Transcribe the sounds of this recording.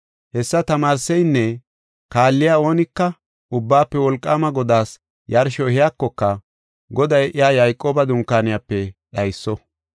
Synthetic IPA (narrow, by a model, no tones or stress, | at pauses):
hɛsːɐt̪ɐmaːɾsɛjnːɛ | kaːlːɪjaːo̞ːnɪkːɐ | ʊbːaːpːɛwɔlkʼːaːmɐɡɔd̪aːs | jɐɾʃɔhɪjakːɔkːɐ | ɡɔd̪ɐjʔɪjaːjɐjkʼːo̞ːbɐd̪ʊŋkːaːnɪjapːɛɗɐjsːɔ